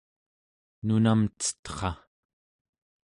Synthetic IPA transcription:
nunamt͡sə̥t̪χɑ

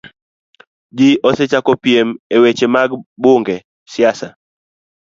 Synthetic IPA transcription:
d͡ʒiʔoset͡ʃakɔpiemewet͡ʃemaɡbʊŋɡɛ | sɪasa

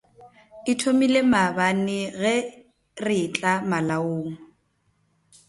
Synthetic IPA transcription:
ɪtʰomilemabanɪɣɛ | rɪt͡ɬʼamalaoːŋ̩

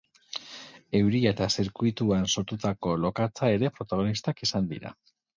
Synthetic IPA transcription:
e̞wɾiaet̪asiɾkujt̪uanso̞ɾt̪ut̪ako̞lo̞kat͡sae̞ɾe̞pɾo̞t̪aɣ̞o̞nist̪akisand̪ḭɾa̰

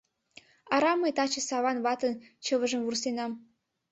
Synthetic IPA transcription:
ɑɾɑməjt̪ɑt͡ɕə̆sɑβɑnβɑt̪ənt͡ɕəβəʒə̆mvursenɑm

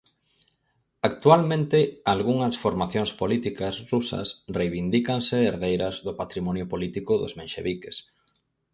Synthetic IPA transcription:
ak̚t̪ualmẽnt̪ɪalɣuŋɐsfoɾmaθjoŋspolit̪ikɐsrusɐ̰srejβind̪ikaŋsɪeɾðejɾɐzðʊpat̪ɾimɔnjʊpolit̪ikʊðʊ̰zmenʃḛβikes

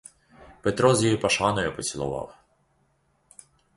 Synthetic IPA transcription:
pet̪ɾɔzʲjijipɐʃɑnɔjʊpɔt͡sʲilˠʊ̰ʋɑ̰w

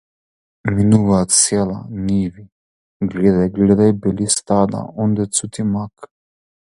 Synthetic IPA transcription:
minuvaːt̪sɛlˠa̰nivi | ɡlɛd̪ajɡlɛd̪ajbɛlist̪ad̪a̰ɔnd̪ɛt̪sut̪imak

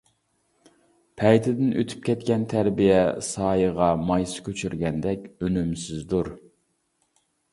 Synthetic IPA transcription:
pʰɛjt̪ʰɪd̪ɪnʔøt̪ʰy̥p̚kʲʰɛt̪kʲɛnt̪ʰæɾbijɛsɑːjəʁɑmɑjsɨ̥kʲʰøt͡ʃʰyɾɡʲɛnd̪ɛkʲønymsɪzd̪uɾ

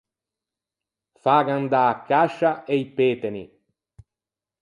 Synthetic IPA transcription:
faːɡand̪aːkʰːaʃaʔejpeːt̪enḭ

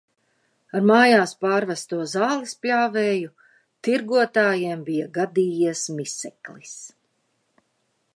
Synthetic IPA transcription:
aɾmaːjaːspaːɾvast̪uɔzaːlˠisplʲaːvɛːju | t̪iɾɡuɔt̪aːjiɛmbijaɡad̪iːjismisɛklis

